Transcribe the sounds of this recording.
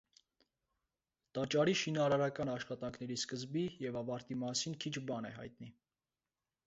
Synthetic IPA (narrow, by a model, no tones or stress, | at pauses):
t̪ɑt͡ʃɑɾiʃinɑɾɑɾɑkɑnɑʃχɑt̪ɑŋkʰnɛɾiskəzbijɛvɑvɑɾt̪imɑsinkʰit͡ʃʰbɑnɛ̰ɦɑ̰jt̪ni